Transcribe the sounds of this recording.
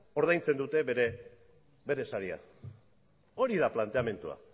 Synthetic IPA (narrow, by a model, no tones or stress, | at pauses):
o̞ɾðajnt͡se̞nd̪ut̪e̞βeɾe | be̞ɾe̞saɾia̰ | o̞ɾiðaplant̪e̞ame̞nt̪ua̰